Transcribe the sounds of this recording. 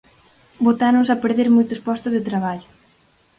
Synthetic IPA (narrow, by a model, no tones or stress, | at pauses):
bot̪anʊ̃sapeɾðeɾmojt̪ʊspɔst̪ʊzðet̪ɾaβ̞aʎʊ